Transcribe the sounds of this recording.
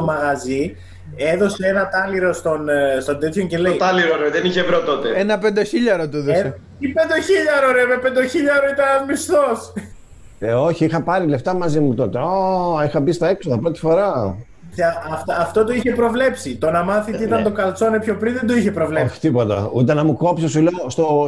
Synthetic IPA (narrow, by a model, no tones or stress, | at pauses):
omɐɣɐzi | e̞ðo̞seenɐt̪ɐliɾo̞st̪o̞nst̪o̞nd̪e̞t̪ʰçonce̞leit̪ɐliɾoɾeveðeniçevɾot̪o̞t̪eenɐpend̪eçiʎɐɾot̪oeðose | ipend̪eçiʎɐɾoɾevepe̞nd̪oçiʎɐɾoit̪ɐnɐzmist̪o̞s | o̞çiixɐpɐɾile̞ft̪ɐmɐzimut̪o̞t̪eoixɐbist̪ɐe̞ksoðɐpɾo̞t̪i̥fo̞ɾɐ | θeɐɐft̪ɐft̪o̞t̪o̞içe̞pɾo̞vle̞psit̪o̞nɐmɐθit̪it̪ɐnt̪o̞kɐlt͡so̞nepço̞pɾiðend̪oiçe̞pɾo̞vleoçi̥t̪ipot̪ɐ̰ut̪enɐmuko̞psosuleost̪o